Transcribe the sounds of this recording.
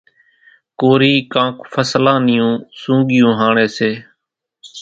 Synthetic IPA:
koːɾiːkãːkfʰəslãːnɪjũːsũːɡɪjũːɦaːɳeːseː

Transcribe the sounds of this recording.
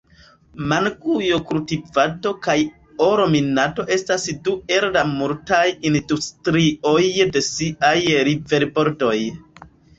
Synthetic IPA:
mankujo̞kultivado̞kaj | oɾo̞minado̞ʔe̞stasdue̞llamultajindustɾio̞jde̞siajɾive̞ɾbo̞ɾdo̞j

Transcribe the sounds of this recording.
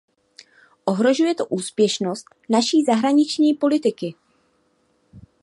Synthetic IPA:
ʔo̞ɦɾo̞ʒujɛt̪oʔuːspjɛʃno̞st̪naʃiːzaɦɾaɲɪt͡ʃɲiːpo̞lɪt̪ɪkɪ

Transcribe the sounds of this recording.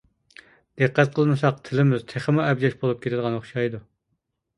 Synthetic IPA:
d̪̥ɨqʰːɛt̪̚qʰəlˠmɨsɑq̚t̪ʰɪlɪmɪz̥t̪ʰeχəmuɛbd͡ʒɑʃbolˠup̚kʲʰeɾʰɪd̪əʁɑnoχʃɑjd̪u

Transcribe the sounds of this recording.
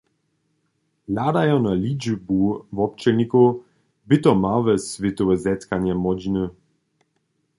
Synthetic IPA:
lad̪ajɔnalʲid͡ʒəbuvɔp̚t͡ʃɛnʲiko | bɪt̪ɔmavɛsvet̪ɔvɛzɛt̪kanjɛmɔd͡ʑinə

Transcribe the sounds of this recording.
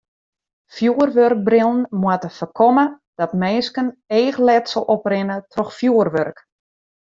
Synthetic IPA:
fjuərʋørk̚brɪlˠənmwətəfərkʰɔmə | d̥ɔtmeːskəneːxlɛtsɔlˠʔɔprɪnətʰrɔxfjuərʋørk

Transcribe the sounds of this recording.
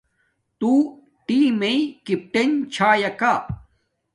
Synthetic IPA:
t̪uː | ʈiːmeikip̚ʈent͡ɕʰaːjɐka

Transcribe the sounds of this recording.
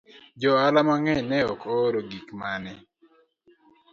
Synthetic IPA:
d͡ʒɔalamaŋɛnɛɔkoɾoɡikmanɛ

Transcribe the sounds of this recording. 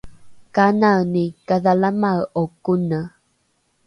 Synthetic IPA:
kananikaðalamaɰokunə

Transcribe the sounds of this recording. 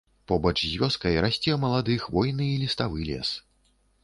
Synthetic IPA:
pɔbɐt͡ʂzʲvʲɔskɐjɾasʲt͡sʲɛmɐlˠad̪ɨxvɔjnɨilʲist̪avɨlʲɛ̰s

